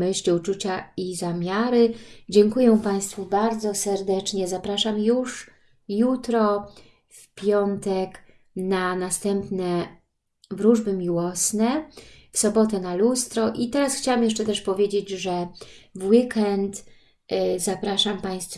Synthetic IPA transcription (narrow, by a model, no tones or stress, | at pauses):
mɘɕlʲiut͡ʂut͡ɕaizamʲjaɾɘd͡ʑɛŋkujɛ̃paj̃st̪fubaɾd̪zɔsɛɾd̪ɛt͡ʂɲɛzapɾaʂamjuʂ | jut̪ɾɔ | fpʲjɔnt̪ɛk | nanast̪ɛmpnɛ | vɾuʐbɘmʲiwɔsnɛfsɔbɔt̪ɛnalust̪ɾɔʔit̪ɛɾasxt͡ɕawamjɛʂt͡ʂɛt̪ɛʂpɔvʲjed͡ʑed͡ʑʐɛvwikɛnt̪ | zapɾaʂampaj̃st̪